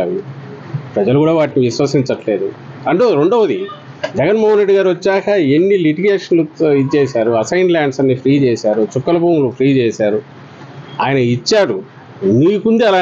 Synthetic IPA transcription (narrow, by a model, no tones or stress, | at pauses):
a̰ʋi | pɾɐd͡ʒɐlukuːɽaːʋaːʈːiʋiʃʋɐsiɲt͡ʃɐʈle̞ːd̪uɐɳʈoɾo̞ɳɖoːʋɐd̪i | d͡ʒɛɡɐnmɔːɦɐnɾeɖiɡaːɾiʋɐt͡ʃːaːkɐenːiliʈiɡeːʂɐnluit͡ʃɛːsaːɾuɐsɐjnlaːɳɖsɐnːipʰɾiːt͡ʃɛːsaːɾut͡ʃukːɐlɐbuːmlupʰɾiːt͡ʃɛːsaːɾu | aːjɐnɐit͡ʃːaːɽu | niːkund̪iɐlaː